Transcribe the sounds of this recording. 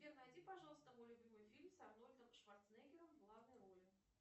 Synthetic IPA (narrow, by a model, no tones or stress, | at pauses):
vʲɛrnajd͡zʲipaʐalˠst̪əmɔlʲubʲimɨjfʲilʲmsarnɔlʲd̪ɐmʂvart̪snɛjɡʲɪɾɐmɡlˠavnɐjɾɔlʲɪ